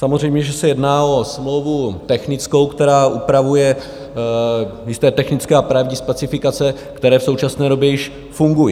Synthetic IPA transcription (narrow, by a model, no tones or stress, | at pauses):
samorɛjmɲɛʒɛsɛjɛdnaːo̞smlowvut̪ɛxnɪt͡sko̞wkt̪ɛɾaːʔupɾavujɛ | jɪst̪ɛːt̪ɛxnɪt͡skɛːapɾavɲispɛt͡sɪfɪkat͡sɛ | kt̪ɛɾɛːfso̞wt͡ʃasnɛːɾo̞bjɛjɪʃ | fuŋɡuji